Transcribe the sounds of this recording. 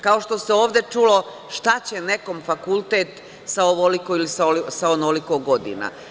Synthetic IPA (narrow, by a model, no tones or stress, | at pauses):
kao̞ʃt̪o̞seo̞ːʋd̪e̞t͡ʃulo̞ | ʃt̪at͡ɕe̞ne̞ko̞mfakulˠt̪et̪ | saoʋolikoilisaosaonolikoɡod̪ḭna̰